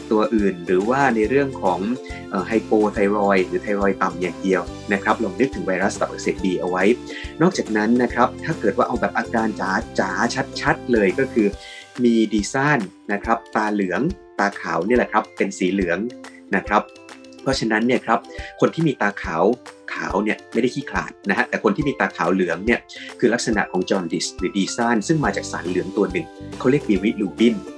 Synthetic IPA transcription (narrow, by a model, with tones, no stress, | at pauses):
t̪u˧ɐʔɯː˨˩nɾɯː˩˦waː˥˩na˧jɾɯ˥˩əŋkʰɔː˩˦ŋʔɤː˨˩ɦa˧jpoː˧t̪ʰa˧jɾɔː˧jɾɯː˩˦t̪ʰa˧jɾɔː˧jt̪a˨˩mjaː˨˩ŋdi˧əwna˦˥kʰɾa˦˥p̚laː˧mnɯ˦˥k̚t̪ʰɯ˩˦wa˧jɾa˦˥st̪a˨˩p̚ʔa˨˩ksiː˨˩t̪̚diː˧ʔa˧wa˦˥j | nɔː˥˩k̚t͡ɕaː˨˩k̚na˦˥nːa˦˥kʰɾa˦˥p̚t̪ʰaː˥˩kɤː˨˩t̪waː˥˩ʔa˧wbɛː˨˩p̚ʔaː˧kaː˧nt͡ɕaː˩˦t͡ɕaː˩˦t͡ɕʰa˦˥t̪̚t͡ɕʰa˦˥t̪̚lɤː˧jkɔː˥˩kʰɯː˧miː˧diː˧sa˥˩nːa˦˥kʰɾa˦˥p̚t̪aː˧lɯ˩˦əŋ | t̪aː˧kʰa̰ː˩˦wni˥˩lɛ˨˩kʰɾa˦˥pːe˧nsiː˩˦lɯ˨˩˦əŋ | na˦˥kʰɾa˦˥p̚ | pʰɾɔ˦˥t͡ɕʰa˧na˦˥nːi˥˩ɐkʰɾa˦˥p̚kʰo˧nt̪ʰiː˥˩miː˧t̪aː˧kʰaː˩˦wkʰa̰ː˩˦wni˥˩ɐm˥˩jda˥˩jkʰiː˥˩kʰla̰ː˨˩t̪̚na˦˥kʰɦa˦˥t̪ɛː˨˩ko˧nt̪ʰiː˥˩miː˧t̪aː˧kʰaː˩˦wlɯ˩˦əŋni˥˩ɐkʰɯː˧la˦˥k̚sa˧na̰˨ʔkʰɔː˩˦ŋt͡ɕɔː˧ndi˦˩sɾɯː˩˦diː˧sa˥˩nsɯ˥˩ŋmaː˧t͡ɕaː˨˩k̚saː˩˦nlɯ˩˦əŋt̪u˧ɐnɯ˨˩ŋkʰa˦˥wli˥˩ək̚iː˧wi˦˥t̚luː˧˩bi˥˩n